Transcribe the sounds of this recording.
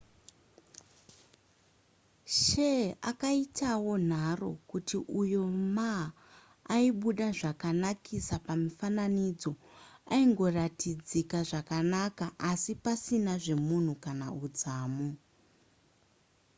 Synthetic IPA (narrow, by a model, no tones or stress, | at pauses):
ʃeakaitawo̞n̤aro̞kutiʔujo̞maː | iɓuɗaʐakanakʰisapamifananid͡zo̞aiŋɡo̞ratid͡zikaʐakanakaʔasipasinaʐe̞mun̤ukanaud͡zaːmo